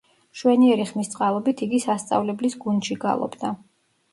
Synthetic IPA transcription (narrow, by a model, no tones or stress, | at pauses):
ʃwɛniɛɾiχmist̪sʼqʼalˠɔbit̪ʰiɡisast̪sʼa̰vlɛblisɡund̪ʃiɡa̰lˠɔ̰bd̪a